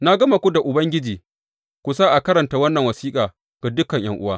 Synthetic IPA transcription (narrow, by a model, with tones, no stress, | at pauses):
na˦ɡɐ˦ma˨kʷu˦da˨ʔʊ˨bɐ˦ŋɡʲɪ˦d͡ʒiː˨ | kʷu˨saː˦ʔa˨kɐ˦ɾɐ˨nta˨˦wɐ˦nːɐ˨ŋwɐ˨siː˦kʼaː˨ | ɡ̥a˨dʊ˦kɐ˨ɲj̰ɐ˦ŋʔʊ˦waː˦